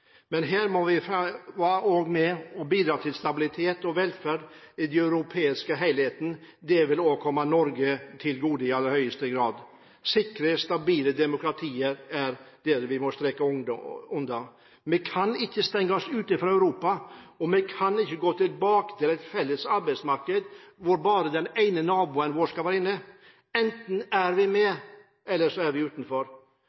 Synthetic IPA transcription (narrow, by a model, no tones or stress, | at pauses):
mɛnɦæːɾmɔʋɪfʋɑoːɡmɛɔbiːd̪ɾɑːt̪ʰɪlst̪ɑbɪlɪt̪ʰeːt̪ɔʋɛlfæːɖ | ɪd̪ɛœʉɾʊpʰeːɪskəɦæɪlheːt̪ənd̪ɛʋɪloːʋəɾkʰɔmːɑnɔɾɡət̪ʰɪlɡuːd̪ɪɑd̪əhœʏəst̪əɡɾɑːd̪ | sɪkɾəst̪ɑbiːləd̪ɛmʊkɾɑt̪ʰiːəɾæɾd̪ɛɾʋɪmɔst̪ɾɛkəʊnd̪ɑ | mɛkʰɑnɪçːəst̪ɛŋːəɔsʉːt̪ɪfɾɑæʉɾuːpɑɔmɛkʰɑnɪçːəɡoːt̪ʰɪlbɑːkə̥t̪ʰɪlɛɪt̪fɛlːəsɑɾbɛɪsmɑɾkəd̪ʋʊɾbɑːɾəd̪ɛneɪnənɑːbʊːənʋoːʂkɑʋæːɾɪnːə | ɛnt̪n̩æɾʋɪmɛ | ɛlːəʂɔæɾʋɪʉːt̪n̩fɔɾ